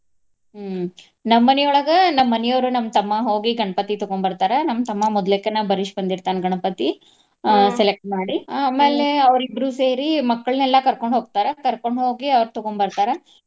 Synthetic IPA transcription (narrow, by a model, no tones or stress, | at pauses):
nɐmːɐnɛjɔɭɐɡɐnɐmːɐnɛjoʋɾunɐmːɐt̪ɐmːaɦoːɡiɡɐɳɐpɐt̪it̪ɔɡoɳbɐɾt̪aːɾenɐmːɐt̪ɐmːamɔd̪lekːenabɐɾiʂbɐnd̪iɾt̪aːnɡɐɳɐpɐt̪i | selek̚ʈ̚maːɽiaːmeːleɐʋɾibɾuːse̞ːɾimɐkːɐɭnɛlːɐkɐɾkoɳɖɦoːɡ̚t̪aːɾekɐɾko̞ɳɖɦoːɡiɐʋɐɾt̪ɔɡoɳbɐɾt̪aːɾe